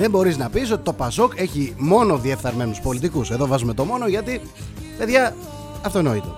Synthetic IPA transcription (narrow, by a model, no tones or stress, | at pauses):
ðe̞mbo̞ɾiznɐpis̬o̞t̪it̪o̞pɐso̞ke̞çimo̞no̞ðie̞fθɐɾme̞nuspo̞lit̪ikuse̞ðo̞vɐzume̞t̪o̞mo̞no̞ʝɐt̪i | pe̞ðʝɐ | ɐft̪ono̞it̪o̞̰